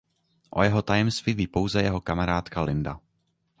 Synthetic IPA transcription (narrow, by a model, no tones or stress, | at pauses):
ʔo̞̰jɛɦot̪ajɛmst̪viviːpo̞wzɛjɛɦo̞kamaɾaːt̪kalɪnda̰